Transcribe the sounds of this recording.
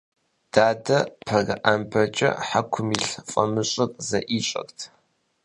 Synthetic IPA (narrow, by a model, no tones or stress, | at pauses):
d̥aːdɐpʰɐɣɐʔambʰɐt͡ʃʼɐ̰ħakʷʰʊmiɬfʼɐ̰mɨɕʼɐtʼzɐʔiːɕʼɐ̰ktʰ